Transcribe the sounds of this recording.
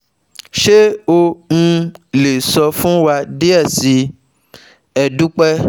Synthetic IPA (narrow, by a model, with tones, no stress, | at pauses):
ʃe˦o˦ŋ̩̃˧le˨sɔ˧fũ˦wa˧de˦ɛ˦˨si˨˦ | ɛ˨dũ˦k͡pɛ˦